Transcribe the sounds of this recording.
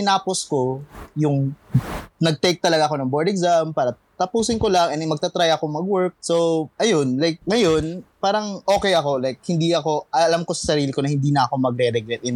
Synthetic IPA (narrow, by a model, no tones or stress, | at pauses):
tɪnaːposko̞jʊŋ | nɐɡ̚t̪ɛk̚t̪ɐlɐɡaːʔɐko̞nɐŋboɹd̪ɛkzampaːɾɐ | t̪ɐpuːsɪnkolaŋʔɛnɪmɐɡ̚t̪ɐt̪ɾajɐko̞ŋmɐɡwɛɹk̚so̞wʔɐjo̞nlajk̚ŋɐjo̞npaːɾɐŋʔo̞ːkɛjɐko̞lajk̚hɪnd̪iɐko̞ʔɐlamko̞sɐ̥sɐɾiːlɪko̞nɐhɪnd̪iːnɐɐko̞mɐɡɾɛɾɛɡɛt̪ɪn